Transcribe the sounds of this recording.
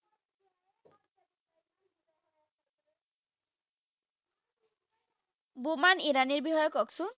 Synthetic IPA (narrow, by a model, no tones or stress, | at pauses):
bumaniɾaniɹbixɔjɔkɔksu